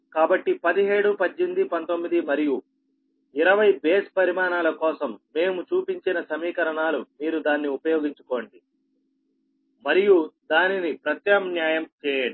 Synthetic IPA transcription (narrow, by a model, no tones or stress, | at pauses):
kaːbɐʈːipɐd̪iɦeːɽupɐd͡ʒːind̪ipɐnt̪o̞mːid̪imɐɾiju | iɾɐʋɐjbeːspɐɾimaːnaːlɐkɔːsɐmːe̞ːmut͡ʃuːpiɲt͡ʃinɐsɐmiːkɐɾɐɳaːlumiːɾud̪aːnːiupɐjoːɡiɲt͡ʃu̥ko̞ːɳɖi | mɐɾijud̪aːninipɾɐt̪jɐmnjaːjɐmt͡ʃɛːjeɽu